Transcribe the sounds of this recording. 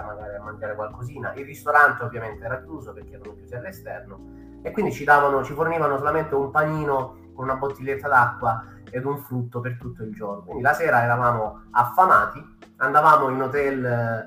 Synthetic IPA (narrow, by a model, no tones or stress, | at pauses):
maɡaːɾiamːand̪jaːɾekwalkoziːna̰ʔilːist̪oɾant̪eovːjament̪eɛːɾakjuːzoperk̟eɛɾanokjut̪ːeɾlest̪ɛrno | ekwind̪it͡ʃid̪aːvanot͡ʃiforniːvanosolament̪eumpaniːno | konunabot̪ːilːet̪ːad̪akːwa | ed̪uɱfɾut̪ːopert̪ut̪ːoild͡ʒoːrnokwind̪ilasɛːɾaɛɾavaːmo | afːamaːt̪i | and̪avaːmoinot̪ɛl